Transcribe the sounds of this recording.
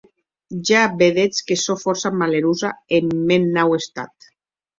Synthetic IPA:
ʒabeðet͡skesofɔɾsamaleɾuzaemːenːawest̪a̰t̪

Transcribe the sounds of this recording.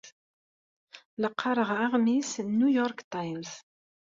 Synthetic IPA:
ləqːɑɾˤəʁaʁmisnːujɔɾkt̪ajmz

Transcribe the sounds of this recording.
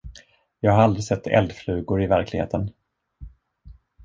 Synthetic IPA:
jɑːɡhaɾald̪ɾɪsɛt̪ʰːɛ̰ld̪flʉ̟ːɡʊɾɪvæɾklɪɡḛːt̪ʰən

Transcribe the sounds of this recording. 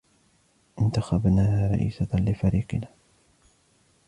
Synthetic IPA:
ʔɪnt̪axabnaːhaːɾˤɑ̰ʔḭːsalɪfaɾiːqɪnaː

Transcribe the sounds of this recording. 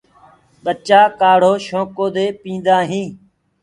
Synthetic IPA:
ɓət͡ʃaːkaːɽ̤oːʃõːkoːd̪eːpĩːnd̪aːɦĩː

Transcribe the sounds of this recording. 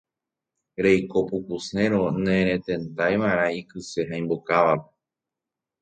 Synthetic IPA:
ɾe̞jko̞pukusẽ̞ɾonẽɾ̃ẽ̞t̪ẽ̞nt̪ajʋaɾ̃ãikɨse̞ɦãj̃mbokaʋape̥

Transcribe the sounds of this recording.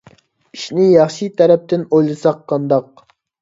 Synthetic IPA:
iʃnɪjɑχʃit̪ʰɛɾɛp̚t̪ɪnojlˠɨsɑqʰːɑnd̪ɑq̚

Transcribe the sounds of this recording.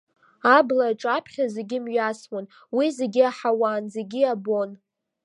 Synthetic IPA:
ablaːʈ͡ʂʼapʰχʲaze̞ɡʲɪmɥaswon | wize̞ɡʲiaħawaːnze̞ɡʲiabon

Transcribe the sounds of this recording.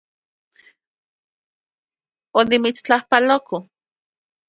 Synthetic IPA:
onimit͡st͡ɬahpaloko

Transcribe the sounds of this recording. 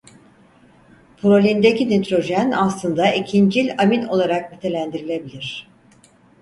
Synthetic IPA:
pʰɾo̞lʲind̪ecinet̪ɾo̞ʒænaslˠɯnd̪aʔicʰind͡ʒilʲamino̞lˠaɾak̚nit̪ʰe̞lʲænd̪iɾilʲe̞bilʲiɾ̝̥

